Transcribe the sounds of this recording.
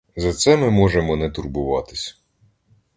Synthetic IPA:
zɐt̪sɛmɪmɔʒemɔnɛt̪ʊrbʊʋɑt̪ɪsʲ

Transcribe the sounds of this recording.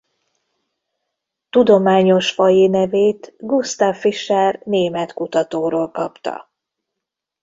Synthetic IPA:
t̪ud̪o̞maːɲo̞ʃfɒjinɛveːt̪ɡust̪aːfːiʃɛrneːmɛt̪kut̪ɒt̪oːɾoːlkɒpt̪ɒ̰

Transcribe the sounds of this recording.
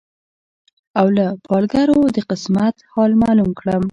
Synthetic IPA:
awlapʰɑlɡaɾod̪əqɪsmat̪hɑlmɑlumkɽəm

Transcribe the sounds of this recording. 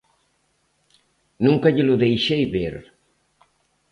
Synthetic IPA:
nũŋkaʎɪlʊðejʃɛjbeɾ

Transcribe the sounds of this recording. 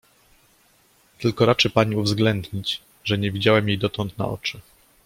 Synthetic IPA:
t̪ɘlkɔɾat͡ʂɘpaɲiuvzɡlɛnd̪ɲit͡ɕ | ʐɛɲɛvʲid͡ʑawɛmjejd̪ɔt̪ɔnt̪na̰ʔɔ̰t͡ʂɘ

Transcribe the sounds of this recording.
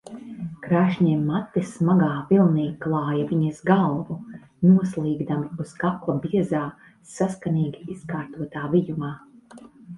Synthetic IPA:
kɾaːʃɲɛmːat̪ːismaɡaːvilˠniːklˠɑːjaviɲisɡalˠvu | nuɔslˠiːɡd̪amiuskaklˠabiɛzaː | saskaniːɡʲiiskaːɾt̪uɔt̪aːvijumaː

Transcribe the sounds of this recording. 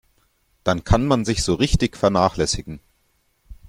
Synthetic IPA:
d̥ankʰanmanzɪçz̥oːʁɪçtɪçfɛɐnaːχlɛsɪɡŋ̩

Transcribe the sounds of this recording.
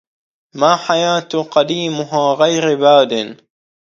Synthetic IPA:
maːħajaːt̪qɑd̪iːmʊɦaːɣajɾbaːd̪ɪn

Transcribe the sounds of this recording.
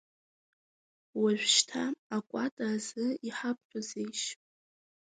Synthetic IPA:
waʒᶣʷʃtʰaakʷʼatʼaːzɨiħapʰʼħʷʼazejʃʼ

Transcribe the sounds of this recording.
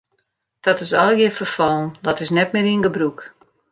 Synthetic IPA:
d̥ɔtɪsɔlˠjəfərfɔlˠndɔtɪsnɛt̚mɪːɾiənɡəbruk

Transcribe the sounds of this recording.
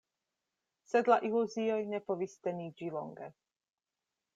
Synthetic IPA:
sɛd̪laʔiluzijɔjnɛpɔvist̪ʲɛnid͡ʒilɔ̰ŋɡɛ̰

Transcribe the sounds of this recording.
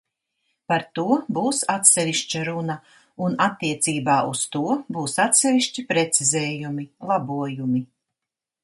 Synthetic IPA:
paɾt̪uɔbuːsat̪sɛviʃt͡ʃaɾuna | unat̪ːiɛt̪siːbaːust̪uɔbuːsat̪sɛviʃt͡ʃipɾɛt̪sizɛːjumilˠabuɔjumi

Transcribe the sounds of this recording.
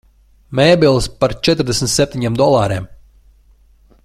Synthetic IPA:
mɛːbilˠspaɾt͡ʃɛt̪ɾd̪esmnʲt̪sɛp̚t̪ʲiɲɛmd̪ɔlˠaːɾem

